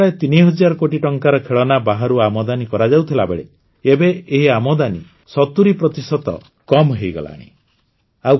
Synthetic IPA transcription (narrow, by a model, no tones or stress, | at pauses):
aet̪iniɦɔd͡ʒaɾɔkoʈiʈɔŋkaɾɔkʰeɭɔnabaɦaɾuamɔd̪anikɔɾad͡ʒawt̪ʰilabḛɭḛ | ebeːɦiamɔd̪ani | sɔt̪uɾipɾɔt̪isɔt̪ɔ̰ | kɔmɦejɡɔ̰la̰ːɽ̃ḭ | aw